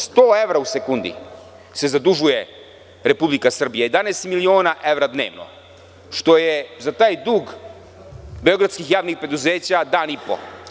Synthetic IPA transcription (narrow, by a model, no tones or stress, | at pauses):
st̪oːe̞ʋɾause̞kund̪ḭ | se̞zad̪uʒuje̞ | ɾe̞publikasr̩bijaje̞d̪aneːst̪milio̞ːnaʔe̞ʋɾad̪ne̞̰ːʋno̰ | ʃt̪o̞jezat̪aːjd̪uːɡ | beoɡɾat̪skixjaːʋnixpɾe̞d̪uzeːt͡ɕad̪aːnipo̞̰